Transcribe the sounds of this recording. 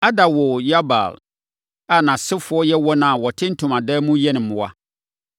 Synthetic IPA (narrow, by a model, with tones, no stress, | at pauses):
a˦da˨wɔ˨ja˦ba̰˨l | a˨nã˨sɪ˦fʊ˨˦ɔ˦jɛ˦wɔ˦nã˨wɔ˨tʰɪ˦n̩˦tʰʊ̃˨mã˨dɛː˦mũ˦jɛ˦nɪ̃˨m̩˨ʊ̃˨wa̰˦